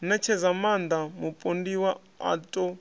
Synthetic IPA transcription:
nɛt͡ʃʰɛzamand̪amupʼondiwa | a̰tʼɔ

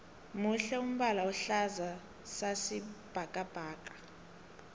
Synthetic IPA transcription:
muɬɛum̩ɓalaɔɬaza | sasib̥ʱakʼab̥ʱaːkʼḁ

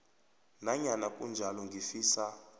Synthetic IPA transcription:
naɲanakʼṵnd͡ʒʱalɔŋɡʱifiːsa

